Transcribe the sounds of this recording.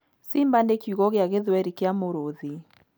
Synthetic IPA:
simbandekuɣɔɣeaɣeðwɛɾikamoɾoði

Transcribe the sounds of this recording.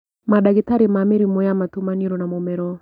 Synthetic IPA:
madaɡit̪aɾimamiɾimojamat̪umaniɾonamomɛɾɔ

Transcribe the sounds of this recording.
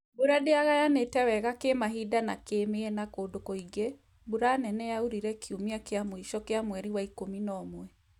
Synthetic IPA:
buɾadeaɣajanetɛwɛɣakemaɦidanakemeɛnakoːdokoiɡe | buɾanɛnɛjauɾiɾɛkʰiumiakeamoiʃɔkeamwɛɾiwaikominɔmwɛ

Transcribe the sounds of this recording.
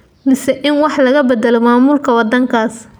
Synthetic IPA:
mɪsɛʔɪnwɑħlɐɣɐbɛd̪ɐlɔmaːmuːlkʰɐwɑd̪ɐŋkʰaːs

